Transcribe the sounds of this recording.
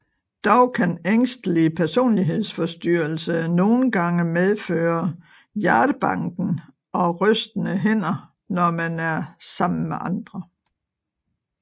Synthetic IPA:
d̥ɒʊkʰæneŋ̰sd̥əlipʰæɐso̝̰ːnliɦe̝ð̰ˠsfɒ̽sd̥yɐl̩səno̝ːn̩ɡ̥ɑ̈ŋəmeð̞ˠføːɐ | jæɐd̥əb̥ɑ̈ŋ̰ɡ̥n̩ | ɒ̽ʁœsd̥ənəɦen̰ɐ | nɒmænæɐsɑ̈m̰n̩meʔɑ̈nd̥ʁɐ

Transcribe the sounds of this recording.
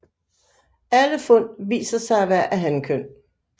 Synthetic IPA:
æləfɔ̽n̰ʋḭːsɐsɑ̈ɪʋæɐ̰ʔæɦænkʰøn̰

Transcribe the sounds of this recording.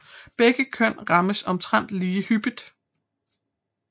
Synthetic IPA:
b̥eɡ̥əkʰœn̰ʁɑ̈məsɒ̽mt͡sʰʁɑn̰d̥liːhyb̥id̥ˠ

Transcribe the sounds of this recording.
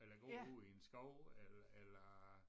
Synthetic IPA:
elɐɡ̥o̝̰iensɡ̥ɒʊ̰elɐelɐ

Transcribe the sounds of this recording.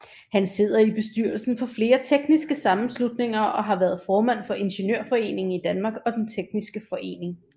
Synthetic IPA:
hænse̝ð̰ˠɐib̥e̝sd̥yɐl̩sn̩fɒ̽fle̝ːɐt͡sʰeɡ̥nisɡ̥əsɑ̈mm̩slud̥ne̝ŋ̰ɐɒ̽ɦɑ̈ʋæːɐð̞ˠfɒːmæn̰fɒ̽ʔe̝nɕenø̰ɐ̰fɒ̽e̝̰ːne̝ŋŋ̩id̥ænmɑ̈ːɡ̥ɒ̽d̥ent͡sʰeɡ̥̚nisɡ̥əfɒ̽ʔe̝̰ːne̝ŋ

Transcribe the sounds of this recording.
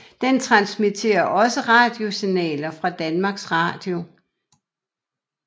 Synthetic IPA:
d̥ent͡sʰʁɑ̈nsmit͡sʰe̝̰ːɐʔɒ̽səʁɑ̈ːd̥jo̝sinɛ̰ːlɐfʁɑ̈d̥ænmɑ̈ːɡ̥sʁɑ̰̈ːd̥jo̝

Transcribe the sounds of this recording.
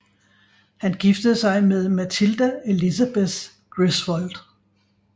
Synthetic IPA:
hænɡ̥ifd̥əð̩ˠsɑ̈ɪmeðˠmæt͡sʰild̥æe̝lisæb̥es | ɡ̥ʁisʋɒld̥

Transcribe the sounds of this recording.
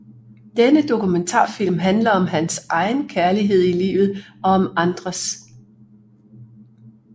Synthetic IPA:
d̥enəd̥o̝kument͡sʰɑ̰̈ːfil̰mɦænlɐɒ̽mɦænsʔɑ̈ɪn̩kʰæɐliɦe̝ð̞̰ˠilḭːʋð̞̩ˠɒ̽ɒ̽mɑ̈nd̥ʁɐs

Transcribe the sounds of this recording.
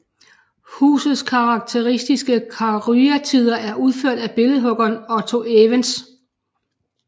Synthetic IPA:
hṵːsð̞̩ˠskʰɑ̈ʁɑ̈ɡ̥̚t͡sʰe̝ʁisd̥isɡ̥əkʰɑʁyæt͡sʰið̞̰ˠɐʔæɐʔuð̞ˠføɐ̰d̥æb̥e̝lð̩ˠɦɔ̽ɡ̥ɐːnɒt͡sʰo̝ʔeʋəns

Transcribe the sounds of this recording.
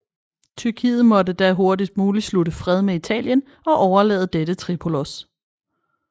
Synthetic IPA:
t͡sʰyɐkʰḭːð̞̩ˠmɒ̽dəd̥æɦo̝ɐdid̥̚muːlisludəfʁɛð̞ˠmeit͡sʰɛ̰ːljən | ɒ̽ʔɒʊɐlɛ̰ːð̞ˠd̥edət͡sʰʁipʰo̝los

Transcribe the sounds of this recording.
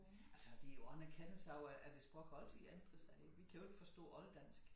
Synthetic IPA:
ælsɒd̥ijoɒnækʰæn̥n̩sɑoæʔæɐd̥e̝sb̥ʁɔɡ̥ɒlt͡sʰiænd̥ʁəsɑɪeɡ̥ʋikʰæjoeɡ̥fɒ̽sd̥ɔ̰̽ːɒ̽ld̥æn̰sɡ̥

